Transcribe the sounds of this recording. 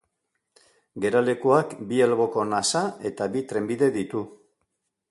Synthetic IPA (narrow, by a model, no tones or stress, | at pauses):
ɡe̞ɾale̞kuakbielɣo̞ko̞nasae̞t̪aβit̪ɾe̞mbiðe̞ðit̪u